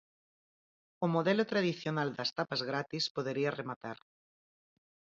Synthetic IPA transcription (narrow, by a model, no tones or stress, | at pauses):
omoðɛlot̪ɾaðiθjonald̪ɐst̪apazɣɾat̪ispoðeɾiaremat̪aɾ